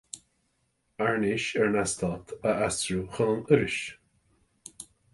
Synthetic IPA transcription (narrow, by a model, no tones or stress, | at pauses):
aɹnɪʃɛɹnast̪ʰɑːt̪ʰəastɹuxɔːnəɾɪʃ